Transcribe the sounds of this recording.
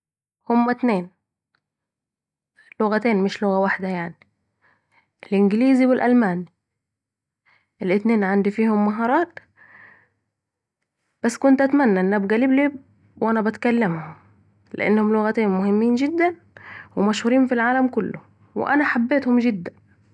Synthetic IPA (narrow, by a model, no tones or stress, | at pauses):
hʊmːæt̪neːn | lʊɣæt̪eːnmɪʃlʊɣæwaħd̪æjaʕni | elʔɪnɡɪliːziwɪlʔælmæːni | ʔelʔɪt̪neːnʕand̪ifiːhʊmːæɦɑːɾˤɑːt̪ | b̥æsːkʊnt̪ʔæt̪mænːæʔenːæbɡæliːbliː | wʔænæbæt̪kælːemhʊm | lḛʔḛnːhʊmlʊɣæt̪eːnmʊhɪmːiːnd͡ʒɪd̪ːæn | wemæʃhuːɾiːnfilʕaːlæmkʊlːʊ̰ | wḛʔænæħabːeːt̪hʊmd͡ʒɪd̪ːæn